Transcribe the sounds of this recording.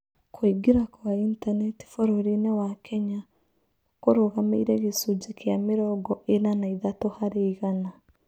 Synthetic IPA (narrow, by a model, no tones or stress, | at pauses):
kʰwiɡeɾakwaintanɛti̥fɔɾɔɾinewakʰɛɲa | koɾoɣameiɾɛɣesud͡ʒekʰeameɾɔɡɔʔenanaiðatohaɾeiɣana